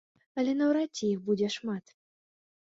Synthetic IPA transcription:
ɐlʲɛnɐwɾatʲːɛixbud͡zʲɛʂmat̪

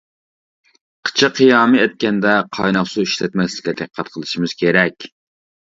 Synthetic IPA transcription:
qʰə̥t͡ʃʰɨqʰːijɑːmɨɛt̪̚kʲɛnd̪ɛqʰɑ̰jnɑχsuiʃlɛt̪mɛslɪ̥kʲɛd̪eqqʰːɑt̪̚qʰəlˠɨʃimɨz̥kʲʰeɾɛkʲ

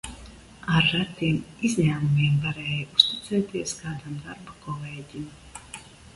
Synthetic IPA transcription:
aɾːat̪ːiɛmizʲɲæːmumʲiɛmvaɾɛːjust̪it̪sɛːt̪iɛskaːd̪amd̪aɾbakɔlɛːɟim

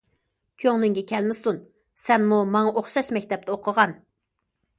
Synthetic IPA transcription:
kʲʰøŋnɪŋɡʲɛkʲʰɛlmɪsun | sɛnmumɑŋɑʔoχʃɑʃmɛkʲt̪ɛp̚t̪ɛoqʰəʁɑn

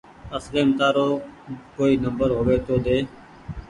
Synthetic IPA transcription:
əsɾeːmt̪aːɾoːkoːiːnəmbəɾɦoːʋeːt̪oːd̪eː

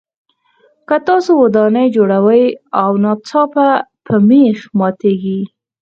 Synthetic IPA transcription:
kət̪ɑsowad̪ɑnəjd͡ʒoɽawəjawnɑt͡sɑpapʰəmexmɑt̪eɡi

